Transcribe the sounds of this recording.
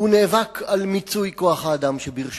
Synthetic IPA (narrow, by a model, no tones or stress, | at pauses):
uneːvakʰalmit͡sujko̞aχaːd̪amʃebiʁʃ